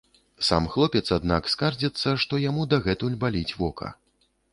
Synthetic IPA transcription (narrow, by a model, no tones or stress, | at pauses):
sa̰mxlˠɔpʲɛt̪sad̪nakskard͡zʲɛt̪sːɐʂt̪ɔjamud̪aɣɛt̪ulʲbalʲit͡sʲvɔkʰɐ̰